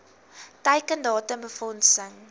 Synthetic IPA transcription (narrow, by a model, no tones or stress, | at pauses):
təjkəndɑːtəmbəfɔnsəŋ